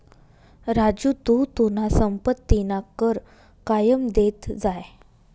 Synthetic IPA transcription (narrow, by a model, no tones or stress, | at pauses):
ɾad͡ʑut̪ut̪un̤asəmpət̪ːinakəɾ | kajəmd̪et̪d͡zaj